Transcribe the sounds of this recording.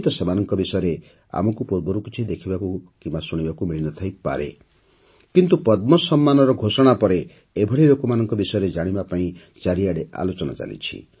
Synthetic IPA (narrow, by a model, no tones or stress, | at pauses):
t̪ɔsemanɔŋkɔbisɔjɔɾe | a̰mɔkupuɾbɔɾukit͡ʃʰid̪ekʰibakukimbasuɽ̃ibakumiɭinɔt̪ʰajpa̰ɾḛ | kint̪upɔd̪mɔsɔmːanɔɾɔɡʱosɔɽ̃apɔɾe | ebʱɔɽiɾokumanɔŋkɔbisɔjɔɾed͡ʒaɽ̃ibapaĩ | t͡ʃaɾiaɽeʔa̰lot͡ʃɔna̰t͡ʃa̰nḭt͡ʃʰḭ